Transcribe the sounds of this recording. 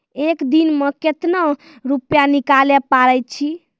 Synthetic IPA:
ekd̪inmeket̪nə | ɾupjanikalepaɾəjt̪t͡ʃʰi

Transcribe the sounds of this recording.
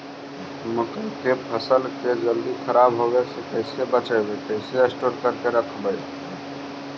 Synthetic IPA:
məkəkepʰəsəlked͡ʒəld̪ikʰəɾabɦoɡesekəɪsebət͡ʃəbet̪əɪseesʈoɾkəɾkeɾəkʰbəɪ

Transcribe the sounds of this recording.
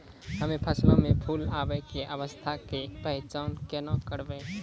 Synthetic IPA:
ɦəmẽpʰəslõmẽpʰuːlaːʋəkeʔəʋəst̪ʰakepəɦɪt͡ʃaːnkenãkəɾbeː

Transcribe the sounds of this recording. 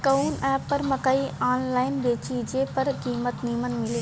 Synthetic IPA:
kɐunɛːpːəɾməkaːiaːnlaːɪnbeːt͡ʃiːd͡ʒepəɾkiːmət̪niːmənmɪle

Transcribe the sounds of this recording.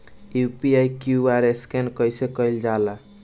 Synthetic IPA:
jupiajkjuaɾeskenkəjsekəjld͡ʒala

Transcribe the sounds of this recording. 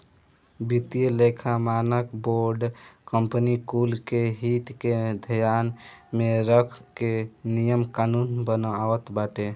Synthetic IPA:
bit̪ijəlekʰamanəkboɾɖkəmpənikulkeɦit̪ked̪ʱəjanmeɾəkʰkenijəmkanunbənawət̪baʈe

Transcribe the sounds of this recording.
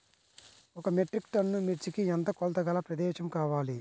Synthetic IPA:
ɔkɐmeʈɾikʈɐnːumiɾt͡ʃikiɛnt̪ɐkɔlt̪ɐɡɐlɐpɾɐd̪ɛːʃɐmkaːʋaːli

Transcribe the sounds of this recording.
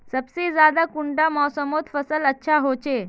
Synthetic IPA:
səbsid͡zad̪akuɳʈamɔsəmot̪fəsələtːɕʰaɦot͡ɕe

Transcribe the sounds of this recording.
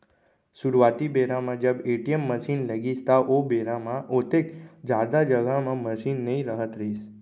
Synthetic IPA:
suɾʋat̪ibeɾamãd͡ʒəbeʈiemːəʃinləɡid͡ʒt̪aʔobeɾamãʔot̪ekd͡ʒad̪ad͡ʒəɡamãməʃinːəĩɾəɦət̪ɾes

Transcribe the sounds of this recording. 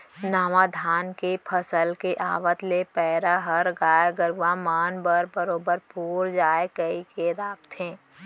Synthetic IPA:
naːʋad̪ʱaːnkepʰəsəlkeʔaːʋət̪lepɛːɾaɦəɾɡaːjɡəɾʋamaːnbəɾbəɾoːbəɾpuːɾd͡ʒaːekəikeɾaːpt̪ẽː

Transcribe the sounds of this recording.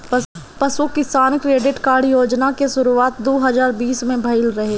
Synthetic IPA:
pəsukɪsaːnkɾeːɖɪʈkaːɾɖjoːd͡ʒnakesʊɾuaːt̪̚d̪oːɦɐzaːɾbiːsmẽbʱɐɪlɾɐɦeː

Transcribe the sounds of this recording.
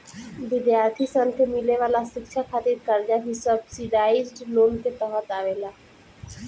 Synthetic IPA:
ʋɪd̪jaːɾt̪ʰiːsənk̪ʰemɪleʋaːlasɪkʃʰaːkʰaːt̪iɾkəɾd͡ʒaːɦisəbsɪɖaːɪzɖloːnt̪eːt̪ɔːɦət̪aːʋelaː

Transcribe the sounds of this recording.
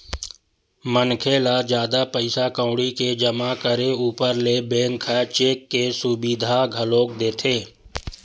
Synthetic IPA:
mənkʰeːlad͡ʒjaːd̪apəɪsakə̃ʊɽiked͡ʒəmakəɾeuːpəɾlebẽːŋkʰət͡ʃeːkːesʊbiːd̪ʱaɡʱəloːk̚d̪eːt̪ʰeː

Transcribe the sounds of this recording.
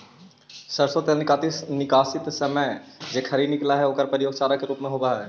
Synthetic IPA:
səɾsot̪elnɪkaːt̪ɪsnɪkaːsɪt̪sɐməjd͡ʒeːkʰɐɾinɪklaɦɛoːkəɾpɾəɪjoːɡt͡ʃaːɾakeɾuːpmẽɦoːbaɦɛː

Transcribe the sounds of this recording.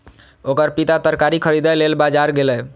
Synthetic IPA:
okəɾpit̪at̪əɾkaɾikʰəɾid̪əlelbad͡ʒaɾɡelɛ

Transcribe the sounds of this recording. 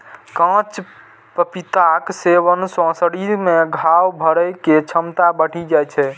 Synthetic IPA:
kãt͡ʃ | pəpit̪akseʋənsɔ̃səɽiɾmeɡʱawbʱəɾəjket͡ʃʰəmt̪abəʈʰid͡ʒajt͡ʃʰɛ

